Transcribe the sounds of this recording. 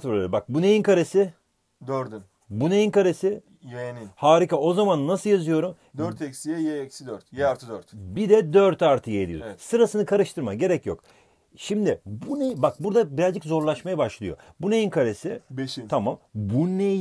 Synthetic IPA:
ɾbak̚bunejinkʰaɾe̞sɪ | d̪øɾd̪yn | bunejinkaɾe̞sɪ | jeninhaːɾikao̞zamannːasɯlˠjazɯjo̞ɾum | d̪øɾt̪ʰɛcsijɛjɛɛcsid̪øɾt̪jɛaɾt̪ʰɯd̪øɾt̪bid̪ɛd̪øɾt̪ʰaɾt̪ʰɯjaḛd̪ʲḭo̰ɛsɯɾasɯnɯkʰaɾɯʃt̪ʰɯɾma̰ɟe̞ɾɛcjo̞̰k | ʃimd̪ɪbunebak̚buɾd̪abiɾazʲd͡ʒikzo̞ɾlˠaʃmajabaʃlˠɯjo̞̰bunejinkʰaɾesɪbeʃit̪ʰamambunej

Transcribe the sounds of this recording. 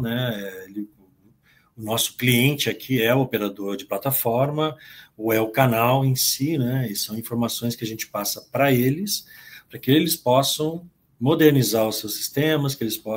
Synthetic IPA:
nɛɛelɪ | ʊnɔsʊ̥kliẽnt͡ʃɪakʰiɛʊopeɾad̪oɾd͡ʒɪplat̪afɔɾmɐoɛʊkanawẽsinɛisɐ̃w̃ĩfoɾmasõj̃skɪɐʒẽnt͡ʃɪ̥pasɐpɾɐelɪspɾɐkɪelɪspɔsɐ̃w̃ | mod̪eɾnizaɾʊsewsi̥st̪ẽmɐskɪelɪspɔ

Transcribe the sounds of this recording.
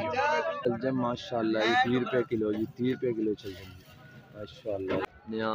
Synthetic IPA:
t͡ʃɐld͡ʒɐmːaːʃaːlːaːjit̪iːɾupjakɪloːjit̪iːɾupjakɪlot͡ʃɐld͡ʒɐm | maːʃaːəlːaː | nãː

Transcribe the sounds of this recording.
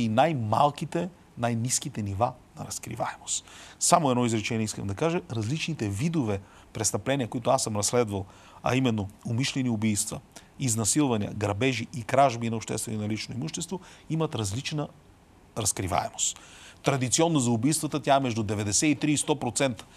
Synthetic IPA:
inajma̰lˠk̟it̪ɛ | najnisk̟it̪ɛniva | nɐɾɐskɾḭva̰ɛmo̥st̪samoɛd̪ɔizɾɛt͡ʃɛnʲiɛiskə̰md̪ɐkaʒəɾɐzlit͡ʃnit̪ɛvid̪ovɛ | pɾɛst̪ɐplɛniəkoit̪ʊasəmɾɐslɛd̪vɐlˠ | ɐ̰imɛnːoʊmiʃlɛniʊbijst̪və | iznɐsilˠvɐniə̰ɡɾɐbɛʒiʔikɾaʒbinɐopʃt̪ɛ̰st̪vɛnonɐlit͡ʃnoimuʃt̪ɛst̪voimɐt̪ɾɐzlit͡ʃnə | ɾɐskɾiva̰ɛmo̥st̪t̪ːɾɐd̪it̪siɔnːozɐʊbijst̪vət̪ət̪ʲjaɛmɛʒd̪ʊd̪ɛvɛd̪ɛsɛit̪ɾiist̪ɔpɾot̪sɛnt̪ə̥

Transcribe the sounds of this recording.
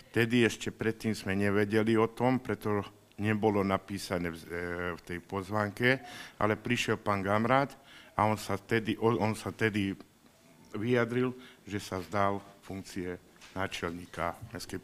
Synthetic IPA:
ft̪ɛd̪iɛʃcɛpɾɛt̪ːiːmzmɛɲɛʋɛɟɛliɔt̪ɔmpɾɛt̪ɔ | ɲɛbɔlɔnapiːsanɛːft̪ɛjpɔzʋaːŋkɛʔa̰lɛpɾiʃjɛlpaːŋɡamɾaːt̪aɔnsat̪ɛd̪iʔɔɔnsat̪ɛd̪i | ʋijad̪ɾilʒɛsazd̪alfuŋk̚t͡siɛ | naːt͡ʃɛlɲiːkamɛskɛj

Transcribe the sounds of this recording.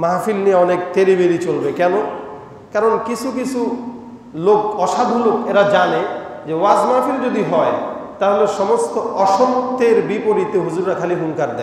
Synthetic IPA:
mafilnieɔnekt̪eɾibeɾit͡ɕolbekɛno | kaɾonkit͡ɕʰukit͡ɕʰu | lokɔʃad̪ʱolokeɾad͡ʑaned͡ʑewad͡ʑmafild͡ʑod̪iɦɔet̪aɦoleʃɔmost̪oʔɔʃomt̪eɾbipoɾit̪eɦud͡ʑuɾːakʰaliɦuŋkaɾd̪ɛ

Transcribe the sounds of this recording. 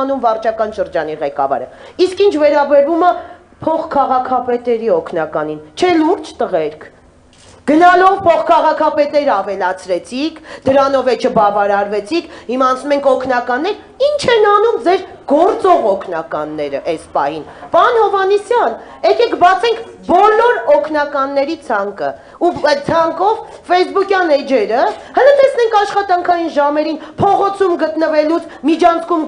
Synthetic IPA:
numvɑrt͡ʃʰɑkɑnʃəɾd͡ʒɑn̪iʁɛkɑ̰vɑ̰ɾəiskint͡ʃʰvɛɾɑbɛɾvumɑ | pʰɔχkʰɑʁɑkʰɑpɛt̪ɛɾiɔkʰnɑkɑnint͡ʃʰɛluɾd͡ʒt̪əʁɛɾkʰ | ɡ̥ənɑlɔvpʰɔχkʰɑʁɑkʰɑpɛt̪ɛɾəɑvɛlɑt͡sʰɾɛt͡sʰikʰd̪əɾɑnɔvɛt͡ʃʰəbɑvɑɾɑɾvɛt͡sʰikʰhimɑːnt͡sʰnumɛŋkʰɔkʰnɑkɑnːɛɾ | int͡ʃʰɛnɑnumd͡zɛɾ | ɡ̥ɔɾt͡sɔʁɔkʰnɑkɑ̰nːɛɾə̰ʔɛspɑ̰hinpɑnhɔvɑnisjɑn | ɛkɛkbɑt͡sʰɛŋkʰ | bɔlɔɾɔkʰn̪ɑkɑnːɛɾit͡sʰɑŋkə̰ | ut͡sʰɑŋkɔv | fɛjsbukjɑnɛd͡ʒɛɾəhələd̪ɛt͡sʰnɛŋkʰɑʃχɑt̪ɑŋkʰɑjinʒɑmɛɾinpʰɔʁɔt͡sʰumɡət̪nəvɛlut͡sʰmit͡ʃʰɑnt͡sʰkum

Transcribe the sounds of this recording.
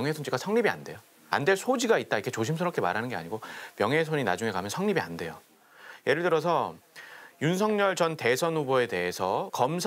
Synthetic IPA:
ŋɦesʰond͡ʑiɡasʰʌŋɲibia̰nde̞jo | a̰ndwe̞ɭsʰod͡ʑiɡait̚t͈aikʰe̞t͡ɕoɕ̬ʰims̬ʰɯɾʌp̚k͈ʰe̞maɾɦanɯnɡea̰ɲiɡomjʌŋɦe̞sʰoɲina̰d͡ʑuŋe̞kamjʌnsʰʌŋɲibia̰nde̞jo | je̞ɾɯɭtɯɾʌsʰʌ | junsʰʌŋɲʌɭt͡ɕʌnte̞sʰʌnhuboe̞te̞ɦe̞sʰʌkʌmsʰ

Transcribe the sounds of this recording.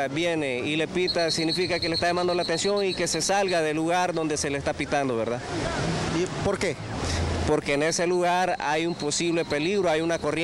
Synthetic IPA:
bje̞ne̞ile̞pit̪asiɣnifikakelest̪ajamãnd̪o̞laːt̪e̞nsjo̞ŋike̞se̞salɣaðe̞luɣaɾðo̞nd̪e̞se̞leːst̪apit̪and̪o̞βe̞ɾða | po̞ɾke | po̞ɾke̞ːne̞se̞luɣaɾajumpo̞siβle̞pe̞liɣɾoajunako̞rj

